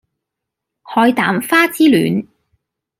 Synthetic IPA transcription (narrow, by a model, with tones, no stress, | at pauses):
hɔː˨˧jt̪aː˨˥mfaː˥t͡siː˥ly̰ː˨˦n